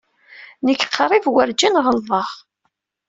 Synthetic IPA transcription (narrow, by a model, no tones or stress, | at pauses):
nəkːqʰːɾˤivwəɾd͡ʒinʁəlðˤəʁ